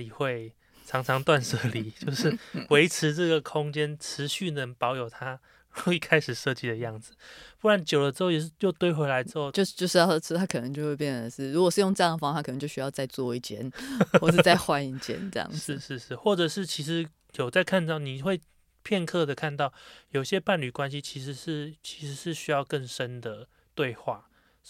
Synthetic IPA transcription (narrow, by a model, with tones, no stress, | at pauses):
i˨˩xwe˥˨ɪ | ʈ͡ʂʰɑ˧˥ŋʈ͡ʂʰɑ˧˦ŋt̪wa˥˧nʂɤ˥˩li˨˦t͡ɕjo˥˧ʊʂɻ̩˥˩we˧˥ɪʈ͡ʂ̩ʰ˧˦ʈ͡ʂɤ˥˩ɡə˩kʰo˦˥ŋt͡ɕɛ˦nʈ͡ʂ̩ʰ˧˦ɕy˥˩nə˧ŋpɑ˧˥ʊjo˨˩ʊt̪ʰa˦ | u˥˧i˥˩kʰa˦ɪʂɻ̩˨˩ʂɤ˥˧t͡ɕi˥˩d̪ə˩jɑ˥˩ŋd͡z̩˨˩pu˥wa˧˦nt͡ɕjo˨˩ʊlə˩ʂɻ̩˧˥xo˥˩jɛ˨˩ʂ̩˥˧˩jo˥˧ʊt̪we˥˧ɪxwe˧˥ɪla˧˥ɪʈ͡ʂ̩ɻo˥˧t͡ɕo˥˧ʊ˥˧t͡ɕjo˥˧ʊʂ̩˥˧jɑ˥˧˥t̪ʰa˥kʰə˨˩ə˧˦ŋt͡ɕjo˥˧ʊwp̬jɛ˥˩nə˨ə˨ʂɻ̩˥˩ɻu˧˥kɔ˨˩ʂɻ̩˥˧jo˥˧ŋt͡sɤ˥˧jɑ˥ŋd̪ə˩fɑ˥ŋt̪ʰa˥kə˨˩n˧ŋt͡ɕjo˥˧ʊɕy˥jɑ˥˧ʊt͡sa˥˧ɪt͡swɔ˥˧i˥˧˩t͡ɕjɛ̰˧˦nxwɔ˥˩ʂɻ̩˩˧t͡sa˥ɪxwa˦ni˧˩t͡ɕjɛ̰˧˥nt͡sə̰˥˧jɑ̰˥˨ŋʂɻ̩˥˧ʂɻ̩˥˧ʂɻ̩˥˧xwɔ˥˩ʈ͡ʂɤ˨˩ʂɻ̩˥˩t͡ɕʰi˧˥ʂ̬ɻ̩˧˦ | jo˨˩t͡sa˥˧ɪkʰa˥˧nt͡sɑ˥˩ʊni˨˩xwe˥˨ɪ | pʰjɛ˥˧nkʰɤ˥˩d̪ə˩kʰa˥˧nt̪ɑ˥˩ʊjo˨ʊi˩ɕjɛ˦˥pa˥˩nly˨˩kwa˦nɕi˦t͡ɕʰi˧˥ʂɻ̩˧ʂɻ̩˥˩t͡ɕʰi̥˧˥ʂɻ̩˧˥ʂɻ̩˥˩ɕy˥jɑ˥˧ʊkə˥˩ŋʂə˦nd̪ə˨ | t̪we˥˧ɪxwa˥˩